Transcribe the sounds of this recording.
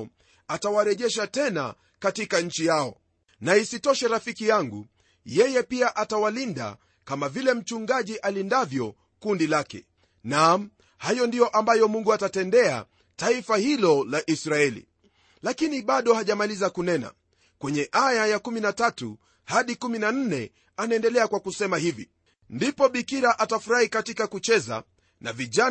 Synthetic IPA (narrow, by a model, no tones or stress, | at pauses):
atawaɾɛʄɛʃatɛna̰ | katikaɲ̩t͡ʃijaɔ̰ | naisitɔʃɛɾafikijaŋɡṵ | jɛjɛpiaʔatawalinda̰ | kamavilɛm̩t͡ʃuŋɡaʄiʔalindavjɔ | kundilakɛ̰ | nam̩ | hajɔndijɔʔambajɔmuŋɡuatatɛndɛa̰ | taifahilɔlaʔisɾaɛlḭ | lakiniɓaɗɔhaʄamalizakunɛna̰ | kwɛɲɛʔajajakuminatatṵ | haɗikuminan̩nɛ | anaɛndɛlɛakwakusɛmahivḭ | ndipɔɓikiɾaʔatafuɾahikatikakut͡ʃɛza̰ | na̰viʄa